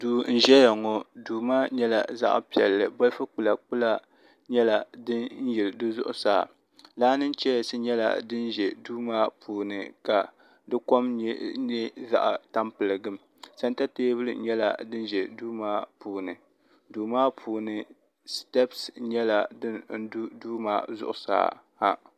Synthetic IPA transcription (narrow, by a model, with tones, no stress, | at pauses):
duː˨n̩˨ʒɛ˦ja˨ŋɔ˨duː˨maː˦ɲɛ˦la̰˨za̰˦ʔpi˨ɛ̰˨lːɨ˨bɔ˦lfɨ˦k͡pu˨la˨k͡pu˦la˦ | ɲɛ˦la˨dɨ˦n̩˦jɛ˨ldɨ˦zʊ̰˦ʔʊ̰˨˦saː˨ | laː˦nɨ˦nt͡ʃɛ˦˨sɨ˦ɲɛ˦la̰˨dɨ˦nʒɛ˨duː˦maː˦pʰuː˨nɨ˨ka˨ | dɨ˦ko˦mɲɛ˦ɲɛ˦za̰˦ʔa˨ta˦mpɨ˨lɨ˨ɡɨ˦m | sa˦nta˦teː˦bɨ˦lɨ˨˦ɲɛ˦la̰˨dɨ˦n˦ʒɛ˨duː˦maː˦puː˨nɨ˨ | duː˨maː˦pʰuː˨nɨ˨ | stɛ˦psɲɛ˦la˨dɨ˦nn̩˦du˦duː˦ma̰ː˦zʊ̰˦˨ʔʊ˨sa̰ː˦˨ha̰˦